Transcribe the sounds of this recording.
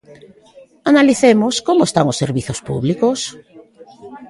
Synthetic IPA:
analiθemoskomoest̪aŋosːeɾβiθospṵβlikos

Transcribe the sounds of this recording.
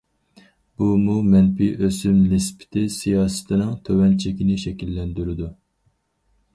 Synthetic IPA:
b̥umumɛnpiʔøsymlɪspʰɪ̥t̪ʰɪsijɑːsɨ̥t̪ʰɪnɪŋt̪ʰøwɛnt͡ʃʰɛkʲinɪʃɛkʲilːɛnd̪yɾɪd̪u

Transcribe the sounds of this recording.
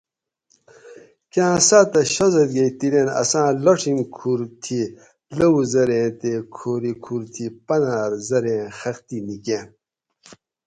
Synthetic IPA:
kãːsat̪ɐɕɐzɐt̪̚ɡejt̪iɾenɐ̰sãːloʈ͡ʂʰimkʰuɾt̪ʰi | lɐwuzɐɾẽːt̪ekʰoːɾikʰuɾt̪ʰipɐnaːɾzɐɾẽxɐxt̪inikẽn

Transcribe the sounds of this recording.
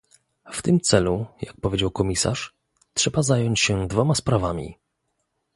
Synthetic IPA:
ft̪ɘmt̪sɛlujak̚pɔvʲed͡ʑawkɔmʲisa̰ʂ | tʂɛbazajɔɲt͡ɕɕɛd̪vɔmaspɾavamʲḭ

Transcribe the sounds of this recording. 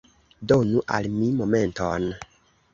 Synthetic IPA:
donuʔa̰lmimomenton

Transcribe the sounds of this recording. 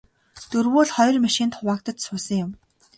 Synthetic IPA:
t̪ɵrwuːɮχɔjrmaʃɪ̆nt̪χʊwaːkt̪ə̆t̪sʊːsə̆ŋjʊm

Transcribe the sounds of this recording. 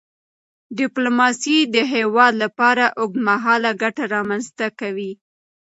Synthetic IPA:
ɖɪplomɑsid̪əɦewɑd̪lapɑɾaʔoɡ̪̚maɦɑlaɡaʈaɾɑmanzt̪akawi

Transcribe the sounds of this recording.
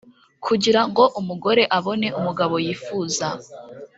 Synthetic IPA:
kʰuɟiɾaŋɡo̞ʔumuɡo̞ɾe̞ʔaβo̞ne̞ʔumuɡaβo̞jiːfuːza

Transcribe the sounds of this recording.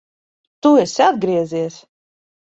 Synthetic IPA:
t̪uɛsʲiad̪̚ɡɾiɛziɛs

